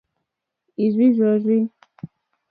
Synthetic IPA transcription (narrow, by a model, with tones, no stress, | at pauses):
i˨zwi˦zɔ˨zi˦n